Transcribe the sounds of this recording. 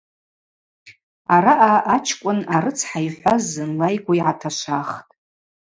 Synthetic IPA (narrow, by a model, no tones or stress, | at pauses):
aɾaʔaʔat͡ʃʰkʷʼʊnaɾɨt͡sʰħajħʷazɨnlajɡʷaiʕatʰaʃʷaχtʼ